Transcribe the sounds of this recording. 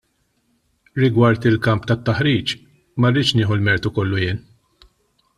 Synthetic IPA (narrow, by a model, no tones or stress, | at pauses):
ɾɪɡwɐɾt̪ɪlkɐmpt̪ɐt̪ːɐħɾiːt͡ʃ | mɐrːɪːt͡ʃnɪːħulmɛɾt̪ukɔlːujɪːn